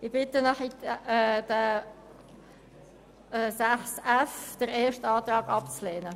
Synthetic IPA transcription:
ɪbɪtənaχi | d̥ə | sæχsæfd̥əɾeːʃtɑːt̪ɾɑːɡ̥ɑpt͡slɛːnə

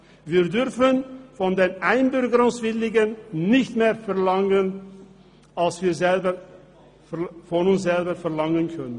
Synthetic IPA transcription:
viːʁdʏɾfənfɔndeːnʔaɪnbʏɾɡəɾʊŋsv̥ɪlɪɡənnɪçtmeːɐfɛɐlaŋən | ʔalsv̥iːɐzɛlbə | fɔnʊnsz̥ɛlbəfɛɐlaŋənkʰœnən

